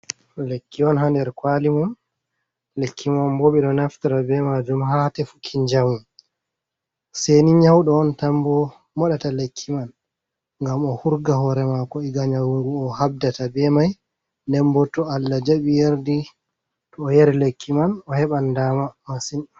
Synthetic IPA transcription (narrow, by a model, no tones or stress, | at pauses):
lekːiɔnɦandɛɾkwalimun | lekʰːimanbɔɓɛɗɔnaftaɾabɛmad͡ʒumhatɛfu̥kʰiɲd͡ʒawun | seniɲawɗɔːntambɔ | mɔɗatalekʰːiman | ŋɡamɔhuɾɡahɔɾɛmakɔiɡaɲawuŋɡuɔhab̚databɛmaj | ndɛmbɔtːɔalːad͡ʒaɓijeɾdi | tɔːjeɾilekʰːimanɔhɛɓandamamasin